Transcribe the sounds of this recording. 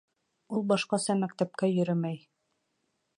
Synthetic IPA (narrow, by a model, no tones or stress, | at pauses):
ulˠbɑʃqɑsɑmæk̚t̪æp̚kæjɵ̆ɾɵmæj